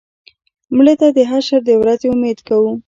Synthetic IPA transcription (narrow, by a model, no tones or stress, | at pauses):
mɽet̪ad̪əɦaʃəɾd̪əwɾazeumed̪kawu